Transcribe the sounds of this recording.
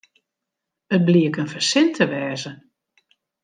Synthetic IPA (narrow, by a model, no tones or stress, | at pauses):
ət̚bliəkənfərsɪntʰəʋɛːzə